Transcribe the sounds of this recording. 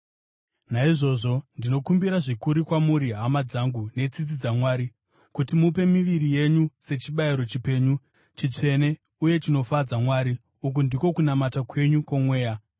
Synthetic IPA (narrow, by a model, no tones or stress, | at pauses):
naiʐo̞ʐo̞ndino̞kumbiɾaʐikuɾikwamuɾiɦamad͡zaŋɡune̞t͡sit͡s̬id͡zamwaːɾi | kutimupe̞miʋiɾije̞ɲuse̞t͡ʃiɓaiɾo̞t͡ʃipe̞ːɲu | t͡ʃit͡ʂe̞ne̞ | uje̞t͡ʃino̞fad͡zamwaːɾi | uk̬undiko̞kunamatakwe̞ɲukwomwe̞ːja